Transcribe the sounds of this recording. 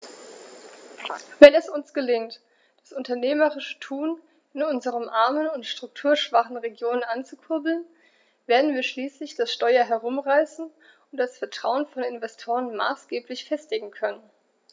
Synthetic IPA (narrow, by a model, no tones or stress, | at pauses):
vɛnɛsʊnsɡ̥əlɪŋt | d̥asʔʊntɐneːməʁɪʃə̥tʰuːn | ɪnʊnzəʁəmʔaɐmənʊntʃtʁ̥ʊk̚tʰuːɐʃv̥aχn̩ʁeɡjoːnənʔant͡sukʰʊɐbl̩n | veːɐdn̩viːɐʃliːslɪçd̥asʃtɔʏɐɦɛʁʊmʁaɪsn̩ | ʊntd̥asfɛɐtʁ̥aʊənfɔnɪnvɛstʰoːʁ̞ənma̰ːsɡ̥eːplɪçfɛstɪɡŋ̩kʰœnən